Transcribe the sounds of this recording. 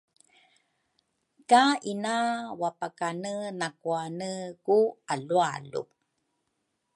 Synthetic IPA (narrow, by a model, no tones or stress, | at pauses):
kaʔinawapakanənakuanəkualualṵ